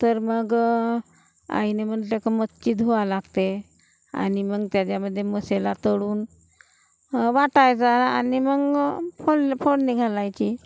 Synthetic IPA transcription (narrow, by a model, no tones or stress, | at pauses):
t̪əɾməɡ | a̰ineməntekəmətt͡ɕiːd̪ɦoʋalaɡt̪e | a̰niməɡt̪jad͡ʑjaməd̪ʱːjeməselat̪əɽuːn | ʋaʈajd͡zaaniməɡfofʰoɳniɡʱalajt͡ɕi